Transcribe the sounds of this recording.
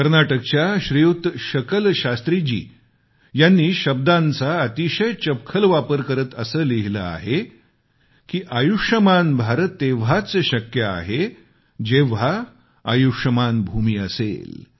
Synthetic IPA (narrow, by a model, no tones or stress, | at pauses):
kəɾnaʈək̚t͡ɕjaɕɾijut̪ɕəkəlɕast̪ɾid͡ʑḭː | janːiːɕəb̚d̪ant͡saət̪iɕəjt͡ɕəp̚kʰəlʋapəɾkəɾət̪əsəːliɦilə̰a̰ɦe | kiːʔajuʂəmanbʱaɾət̪ːeʋ̤at͡səɕəkjəa̰ɦe | d͡ʑeʋa | a̰juʂəmanbʱumiːəsḛl